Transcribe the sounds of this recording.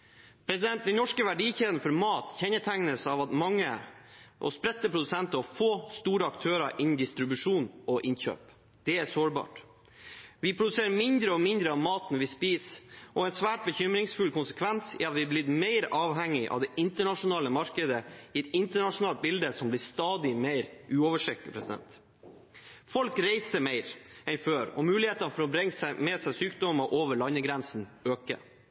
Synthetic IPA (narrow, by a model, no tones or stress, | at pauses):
pʰɾɛsɪd̪ɛnt̪̚d̪ɛnnɔʂkəʋæɖiːçeːʋ̪ənfɔɾmɑːt̪çɛnːəʈʰæŋnəsɑʋɑt̪mɑŋːəʔɔ̰spɾɛt̪ːəpʰɾʊd̪ʉsɛnt̪əɔfoːst̪uːɾəɑkt̪ʰøːɾɑʔɪnn̩d̪ɪst̪ɾɪbʉʂuːnɔʔɪnçø̰ːp | d̪̥ɛæsoːɾbɑ̰ːʈ | ʋɪpʰɾʊd̪ʉseːɾəmɪnd̪ɾəɔmɪnd̪ɾəɑmɑːt̪nʋɪspiːsʔɔɛnsʋæːʈ̚bəçʏmɾɪŋsfʉlkʊnsəkʰʋɛnsɪ̰ɑt̪ʋɪblɪd̪meɪɾɑːʋɦɛŋːɪʔɑ̰ʋd̪ɛʔɪnt̪əɳɑʂʊnɑːləmɑɾkəd̪əɪɛt̪ɪnt̪əɳɑʂʊnɑːlt̪̚bɪld̪əsɔmblɪst̪ɑːd̪ɪmeɪɾʔʉːɔʋəʂɛkːəpʰɾɛsɪd̪ɛ̰nt̪ | fɔlkɾeɪsəmeɪɾɛnføːɾɔ̰mʉːlɪheːt̪ɑnəfɔɾɔbɾɛŋːsæmeːsæɪsyːkd̪ɔməʔoːʋəɭɑnːəɡɾɛnsn̩øːkə̰